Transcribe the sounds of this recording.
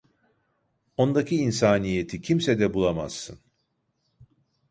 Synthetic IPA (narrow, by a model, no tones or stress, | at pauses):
o̞nd̪acʰiːnsaːnije̞t̪ʰicʰimsɛd̪ɛbulˠama̰sːɯn